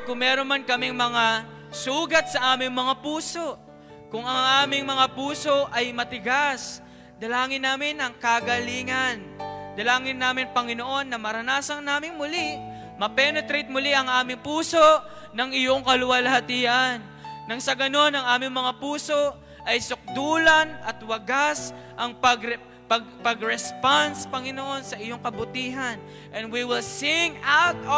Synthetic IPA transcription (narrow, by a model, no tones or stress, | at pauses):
ɐt̪̚kʊŋmɛːɾonmankɐmɪŋmɐŋa | suːɡɐt̪̚sɐʔaːmɪŋmɐŋapuːso̞ʔ | kʊŋɐŋʔaːmɪŋmɐŋapuːso̞ʔʔɐjmɐt̪ɪɡas | d̪ɐlaːŋɪnːaːmɪnʔɐŋkaɡɐliːŋɐnd̪ɐlaːŋɪnːaːmɪŋpɐŋɪno̞ʔo̞nːɐmɐɾɐnaːsɐŋnaːmɪŋmʊli | mɐpɛnot̪ɾit̪̚mʊliʔɐŋʔaːmɪŋpuːso̞ʔ | nɐŋɪjo̞ŋkɐlʊwalɐhɐt̪iːʔanː | ɐŋsɐɡɐno̞nɐŋʔaːmɪŋmɐŋapuːso̞ʔ | ʔɐjsʊk̚d̪uːlɐnʔɐt̪wɐɡas | ʔɐŋpɐɡ | pɐɡpɐɡɾɛspanspɐŋɪno̞ʔo̞nsɐʔɪjo̞ŋkɐbʊt̪iːɦɐn | ʔɛ̃nd̪wiwɪlsɪŋawt̪̚